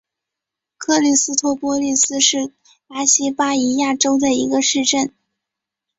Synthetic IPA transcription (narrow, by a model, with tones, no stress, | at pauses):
kʰɤ˥˧li˥˩sɹ̩˥t̪ʰwɔ˥˩pwɔ˥li˥˩sɹ̩˥ʂɻ̩˥˩ | t̪a˥ɕi˥pa˥i˧˥ja˥˩ʈ͡ʂo˥ʊd̪ə˨ḭ˧˥ɡə˧ʂɻ̩˥˧ʈ͡ʂə˥˩n